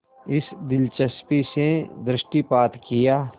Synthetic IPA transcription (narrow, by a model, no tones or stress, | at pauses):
ɪsd̪ɪlt͡ʃəspised̪ɾɪʃʈipaːt̪kɪjaː